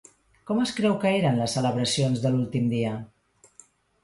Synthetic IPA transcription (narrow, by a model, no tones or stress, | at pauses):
kɔməskɾɛwkəeɾənləsːələβ̞ɾəsionzðəlulˠt̪imd̪iə